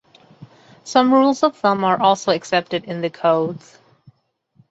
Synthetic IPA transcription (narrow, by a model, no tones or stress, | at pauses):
sʌ̃mɹulˠzʌvðə̃mə˞ʔɔlˠsoʊɨksɛp̚tɨɾɨ̃nðɨkʰoʊdz̥